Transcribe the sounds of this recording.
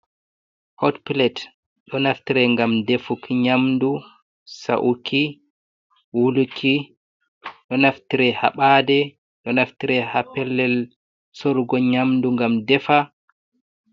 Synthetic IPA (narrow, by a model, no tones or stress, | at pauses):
hɔtpilɛt | ɗɔnaftiɾɛŋɡamdɛfukiɲamdu | sa̰ʔukʰi | wulukʰi | ɗɔnaftiɾɛha̰ɓaːdɛ | ɗɔnaftiɾɛhapɛlːɛl | soɾɡɔɲamduŋɡamdɛfa